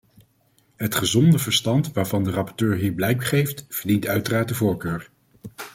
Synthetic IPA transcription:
ɦətχəzɔndəvəɹstɑntʋaːɹvɑndərɑpɔɹtøːɹɦiːɹblɛjk̚bəχejftvəɹdintœɥtəraːt̚dəvʊːɹkøːɹ

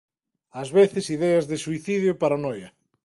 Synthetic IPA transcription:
azβeθɪsiðɛɐzðɪsuiθiðjʊpaɾanɔjɐ

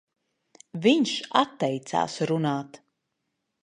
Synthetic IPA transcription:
viɲʃat̪ːɛjt̪sa̰ːsɾunaːt̪

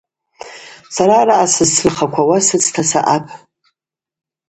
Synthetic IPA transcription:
saɾaːɾaʔasɨzsʰɨrχakʷʰawasɨt͡sʰʼtʰasa̰ʔapʰʼ

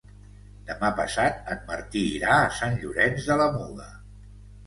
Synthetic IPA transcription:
d̪̥əmapəsat̪̚ən̚mərt̪iːɾaəsanʎuɾɛnzðələmuɣə

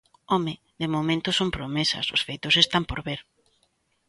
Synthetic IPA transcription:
omɪ | ðɪmomẽnt̪ʊsompɾomesɐ̰sʊ̰sfejt̪ʊsest̪ampoɾβeɾ

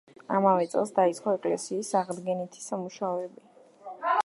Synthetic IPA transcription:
a̰mavɛt̪sʼɛ̰lˠsd̪ait̪sʼqʼɔɛkʼlɛ̰siːsaʁd̪ɡɛnit̪ʰi̥samuʃaɔɛbi

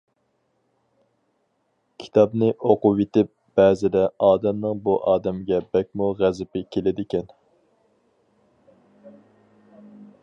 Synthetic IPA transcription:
kʲʰi̥t̪ʰɑbnɨʔoqʊwet̪ɪp̚b̥ɛːzɪd̪ɛɑːd̪ɛmnɨŋbuʔɑːd̪ɛmɪɡʲɛbɛk̚ʲmuʁæzɪpɪkʲʰelɪd̪ɪkʲɛn

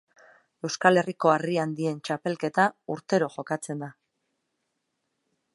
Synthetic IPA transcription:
e̞wskale̞riko̞ariand̪ie̞nt͡ʃape̞lke̞t̪auɾt̪e̞ɾo̞ʝo̞kat͡se̞nd̪a

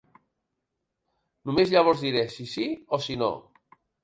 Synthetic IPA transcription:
numezʎaβ̞ɔzðiɾesisiosino̰

